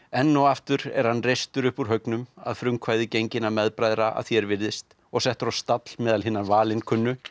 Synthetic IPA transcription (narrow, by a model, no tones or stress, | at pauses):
ɛnːɔwaft̪ʏɾɛ̰ɾ̥hanːrejst̪ʏɾʏhpuɾ̥ɦœknʏma̰ðfɾʏmkʰvaːjðɪcejɲcɪnːamɛðpɾajðɾaʔa̰ðθjɛɾvɪɾðɪst̪ | ɔɣsɛht̪ɾawst̪at̪lmɛːðalɦɪnːanvaːlɪnkʰʏnːʏ